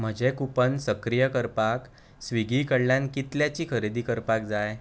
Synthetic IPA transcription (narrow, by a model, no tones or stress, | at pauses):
m̤əd͡ʑekupənsəkɾijəkəɾpak | sʋiɡʱikəɽljankit̪ljat͡ɕiːkʰəɾed̪iːkəɾpak̚d͡zaj